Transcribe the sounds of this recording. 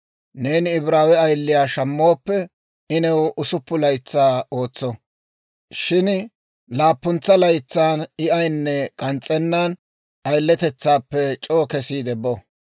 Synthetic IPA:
ne̞ːnɪɪbɾaːwɛɐjlːɪjaːʃɐmːo̞ːpːɛ | ɪnɛwʔʊsʊpːʊlɐjt͡sːaːo̞ːt͡sːɔ | ʃɪn | laːpːʊnt͡sːɐlɐjt͡sːaːnɪʔɐjnːɛkʼɐnt͡sʼːɛnːan | ɐjlːɛt̪ɛt͡sːaːpːɛt͡ʃʼoːkɛsiːd̪ɛbɔ

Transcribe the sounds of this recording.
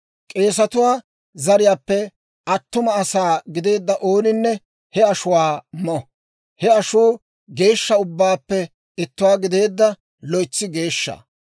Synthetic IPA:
kʼe̞ːs̬ɐt̪ʊwaː | zɐɾɪjaːpːɛ | ɐt̪ːʊmɐɐsaːɡɪd̪e̞ːd̪ːɐʔoːnɪnːɛ | hɛɐʃʊwaːmɔ | hɛɐʃuː | ɡe̞ːʃːɐʊbːaːpːɛ | ɪt̪ːʊwaːɡɪd̪e̞ːd̪ːɐ | lɔjt͡sːɪɡe̞ːʃːa̰ː

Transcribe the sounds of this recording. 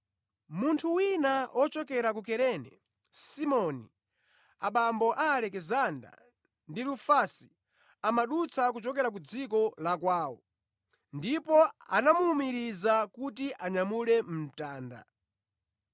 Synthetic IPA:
muntʰuwinaɔt͡ʃɔkɛɾak̬ukɛɾɛnɛ̰ | simɔni | aɓambɔʔaːlɛkɛzanda̰ | ndiɾufasi̥ | amaɗut͡sʰak̬ut͡ʃɔkɛɾak̬ud͡zikɔlakwaːwɔ̰ | ndipɔa̰namuːmiɾizakutiʔaɲamulɛm̩m̩taːnda̰

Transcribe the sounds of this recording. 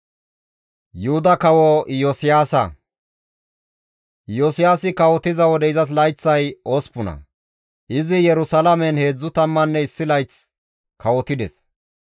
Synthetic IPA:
jʊhʊd̪ɐkɐwɔjɔsɪjaːsɐ̰ | josɪjaːsɪkɐwɔt̪ɪzɐwɔd̪ɛɪzɐs̬lɐjt͡sːɐjoːspʊnɐ̰ | ʔɪzɪjɛɾʊsɐlɐmɛnhe̞ːd͡zːʊt̪ɐmːɐnːɛɪsːɪlɐjt͡s | kɐwɔt̪ɪd̪ɛ̰s

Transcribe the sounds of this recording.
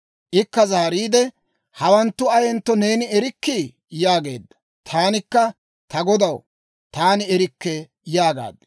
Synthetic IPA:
ʔɪkːɐzaːɾiːd̪ɛ | hɐwɐnt̪ːʊɐjɛnt̪ːɔne̞ːnɪɛɾɪkːiː | jaːɡe̞ːd̪ːɐ̥ | t̪ʰaːnɪkːɐ | t̪ɐɡɔd̪ɐw | t̪aːnɪɛɾɪkːɛ | jaːɡa̰ːd̪ːɛ̥

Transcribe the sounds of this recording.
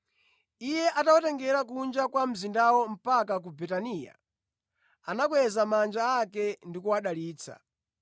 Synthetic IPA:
ijɛʔatawatɛŋɡɛɾak̬und͡ʒakwam̩zindawɔm̩pakak̬ubɛtaniːja̰ | anak̬wɛzamand͡ʒaakɛndikuwaɗaliːt͡sʰa̰

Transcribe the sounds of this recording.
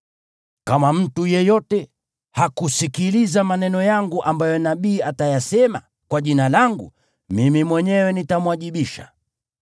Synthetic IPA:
kamam̩tujɛjɔtɛ | hakusikilizamanɛnɔjaŋɡuʔambajɔnaɓiːatajasɛma̰ | kwaʄinalaŋɡṵ | mimimwɛɲɛwɛnitamuwaʄiɓiʃa̰

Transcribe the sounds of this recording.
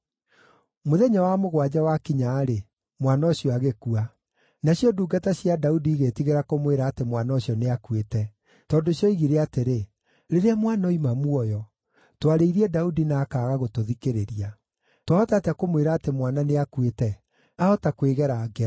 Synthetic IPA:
moðɛɲawamoɣwad͡ʑawakiɲaːɾe | mwanaoɕiɔaɣekua | naɕjɔduːɡataɕjadaudiːɣetiɣeɾakomweɾaːtemwanaoɕjɔneakwetɛ | tɔːndoɕjɔiɣiɾeateɾe | ɾeɾeamwanaimamuɔjɔ | twaɾeiɾiɛdaudinaːkaːɣaɣotoðikeɾeɾia | twaɔtaːtakomweɾaːtemwananeakwetɛ | aɔtakweɣɛɾaːɡɛ

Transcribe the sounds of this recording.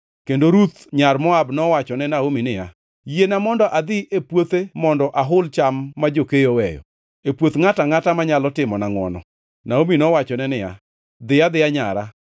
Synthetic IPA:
kendoɾut̪ɲarmɔabnɔwat͡ʃɔnɛnaominɪja̰ | jenamɔndɔʔad̪ɪʔepwot̪emɔndɔʔaɦʊlt͡ʃamːad͡ʒokejowɛjɔ̰ | epwot̪ŋataŋatamaɲalɔtɪmɔnaŋwɔ̰nɔ̰ | naominɔwat͡ʃɔnɛnɪja̰ | d̪ɪjad̪ɪjaɲaɾa

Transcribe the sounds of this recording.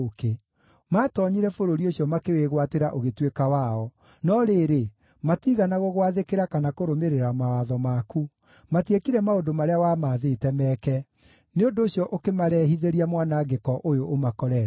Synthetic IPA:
ke | maːtɔɲiɾɛfoɾoɾioɕjɔmakeweɣwateɾaʔoɣetwekawaɔ | nɔɾeːɾe | matiɣanaɣoɣwaðekeɾakanakoɾomeɾeɾamawaðɔmaku | matekiɾɛmaodomaɾeawamaːðetɛmɛkɛ | neondoːsjɔʔokemaɾɛːɦiðeɾiamwanaɡekɔʔojoʔːmakɔɾɛ

